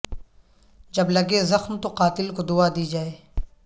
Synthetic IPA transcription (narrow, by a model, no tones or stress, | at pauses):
d͡ʒɐblɐɡezɐxmt̪oqaːt̪ɪlkod̪ʊad̪iːd͡ʒaːeː